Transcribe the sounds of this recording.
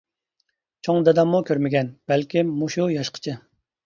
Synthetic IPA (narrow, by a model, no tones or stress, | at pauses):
t͡ʃʰoŋd̪ɛd̪ɑmːukʲʰøɾmɪɡʲɛnb̥ɛlkʲimmuʃujɑʃqʰə̥t͡ʃʰɪ